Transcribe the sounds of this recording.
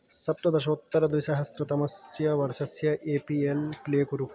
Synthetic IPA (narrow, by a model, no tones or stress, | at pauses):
sɐp̚t̪ɐd̪ɐʃɐut̪ːɐɾɐd̪ʋiʃaɦɐst̪ɾɐt̪ɐmɐsjɐʋɐɾʃɐsjɐʔeːpielpleːkuɾu